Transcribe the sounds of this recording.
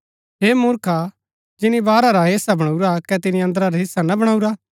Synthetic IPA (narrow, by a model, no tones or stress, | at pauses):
ɦeːmʊɾkʰa | d͡ʒɪnibaːɾaɾaɦɪsabɐɽ̃ɐuɾakɛt̪ɪniɐ̃nd̪əɾaɾaɦɪsːanɐbɐɽ̃auɾa